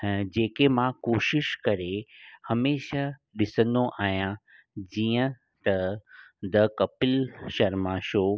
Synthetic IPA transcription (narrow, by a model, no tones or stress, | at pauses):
d͡ʑeːkemãkoːʃɪʃkɐɾehɐmeːʃaɗɪsə̃nd̪oʔaːɦijã | d͡ʑiːə̃ | t̪ɐd̪ɐkɐpɪlʃɐɾmãʃoː